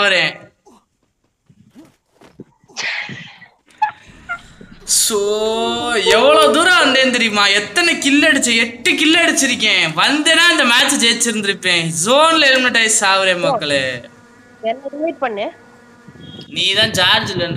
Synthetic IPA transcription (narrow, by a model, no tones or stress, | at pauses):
aʋɾẽː | soː | ɛʋːɐɭoːd̪uːɾaʋɐnd̪eːnt̪ɛɾɪjɯmaːɛt̪ːɐnɛkɪlːɐɽɯt͡ʃːẽɛʈːɯkɪlːɽɯt͡ʃːɪɾɯkːẽːʋɐnd̪eːnaːɪnd̪ɐmaːt͡ʃd͡ʒeːt͡ʃːɪɾɯnd̪ɪɾɯpːẽːzoːnlɐɪɾɯnɐʈːɐjssaːʋɐɾẽːmɐkkːɐɭe | ɛnːɐɾɪʋɐɪʈ̚pɐɳːẽː | niːt̪ãːd͡ʒaːɾd͡ʒlɐn